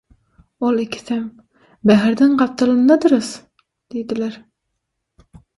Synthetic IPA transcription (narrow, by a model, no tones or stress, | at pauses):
olˠɪkʲʰːɪ̥sæm | bæɦɪɾd̪ɪnqɑp̚t̪ʰɨlˠɨnːɑd̪ɨɾɨs | d̪̥ejd̪ɪlæɾ